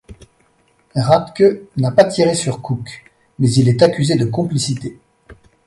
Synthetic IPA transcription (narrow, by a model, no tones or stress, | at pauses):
ʁat̪kʲønapat̪ʰiʁesyʁkʰuk | mɛzilɛt̪akʲyzed̪əkɔ̃plisit̪e